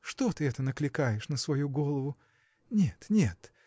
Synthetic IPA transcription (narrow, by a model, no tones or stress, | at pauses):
ʂt̪o̞t̪ɨɛt̪ənəklʲɪkajɪʂnəsvɐjuɡolˠəvʊ | nʲet̪nʲet̪